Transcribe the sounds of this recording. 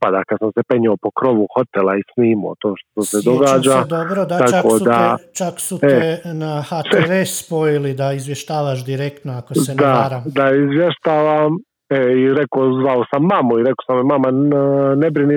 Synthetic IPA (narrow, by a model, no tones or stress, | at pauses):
pad̪akad̪samsepe̞ɲoopo̞kɾo̞ʋuxo̞t̪elˠaisniːmo̰t̪oːʃt̪ot̪osed̪oɡaːd͡ʒad̪obɾod̪aat͡ʃakoːd̪at͡ʃaksutenaxaeɾesspojilid̪aizʋjeʃt̪aːʋaʃ̬d̪iɾekt̪noakosend̪aaɾamd̪aizʋjeʃt̪aːʋam | eiɾekozʋaosamːamuiɾekosamːimamanebɾini